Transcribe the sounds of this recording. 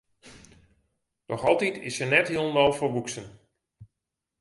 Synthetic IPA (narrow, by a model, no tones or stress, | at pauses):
d̥ɔxɑlˠtitʰɪ̰sənɛtɦilˠnɔlˠfoʋuksən